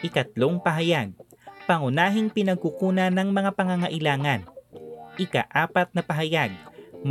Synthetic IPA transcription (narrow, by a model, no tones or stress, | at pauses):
ʔɪkɐt̪̚loŋpɐɦɐjaɡ̚pɐŋʊnaːɦɪŋpɪnɐɡ̚kʊkuːnɐnɐŋmɐŋapɐŋɐŋɐʔɪlaːŋɐnʔɪka̰ʔaːpɐt̪̚nɐpɐɦɐjaɡ̚m